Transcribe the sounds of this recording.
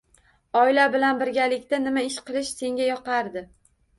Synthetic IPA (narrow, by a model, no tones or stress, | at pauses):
ɒɪlabɪlanbɪɾɡʲalɪkʲt̪anɪmaɪʃqʰɨlˠɪʃse̞ŋɡʲajɒqɑɾd̪ɪ